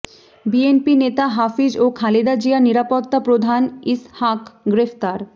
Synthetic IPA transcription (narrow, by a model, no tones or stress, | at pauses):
bienpinet̪aɦafid͡ʑokʰalid̪ad͡ʑianiɾapot̪ːapɾod̪ʱanishakɡɾeft̪aɾ